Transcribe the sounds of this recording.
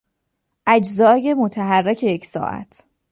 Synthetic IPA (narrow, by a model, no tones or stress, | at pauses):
ʔæd͡ʒzɒːje̞mot̪ʰæɦærːecʰejecʰsɒ̰ːʔæ̰t̪ʰ